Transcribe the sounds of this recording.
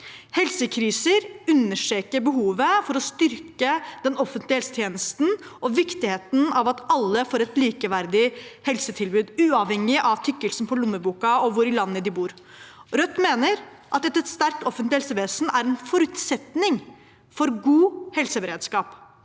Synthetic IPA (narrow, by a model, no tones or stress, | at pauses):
hɛlsəkʰɾiːsəɾʉnːəʂʈeːkəɾbəɦuːʋəfɔɾɔst̪ʏɾkəd̪̥ɛnɔfənt̪lɪhɛlsə̥t̪ʰjeːnəst̪n̩ʔɔʋɪkt̪ɪheːt̪n̩ɑʋɑt̪ɑlːəfoːɾɛt̪liːkəʋæɾd̪ɪhɛlsət̪ʰɪlbʉːd̪ʉːɑʋhɛŋːɪʔɑʋt̪ʰʏkːəlsn̩pʰɔlʊmːəbuːkɑɔʋʊɾɪlɑnːəd̪ɪbuːɾɾœt̪ːmeːnəɾ | ʔɑt̪ɛt̪ːɛt̪st̪æɾk̚t̪ɔfənt̪ɪhɛlsəʋeːsn̩æɾɛnfɔɾʉːt̪sɛt̪nɪŋ | fɔɾɡuːhɛlsəbəɾeːd̪skɑːp